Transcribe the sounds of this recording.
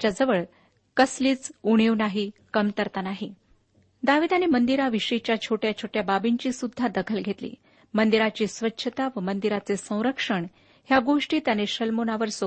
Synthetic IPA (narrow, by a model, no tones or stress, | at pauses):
t͡ɕjad͡zəʋəɭ | kəsliːt͡suɽ̃iʋnaɦikəmt̪əɾt̪anaɦi | d̪aʋiːd̪anemənd̪iɾaʋiʂəit͡ɕjat͡ɕʰoʈjat͡ɕʰoʈjababiɲt͡ɕiːsud̪ʱːad̪əkʰəlɡʱet̪lḭː | mənd̪iɾat͡ɕiːsʋətːɕʰət̪aʋəmənd̪iɾat͡sesə̃w̃ɾəkʂəɳ | hjaɡoʂʈiːt̪janeɕəlmonaʋəɾso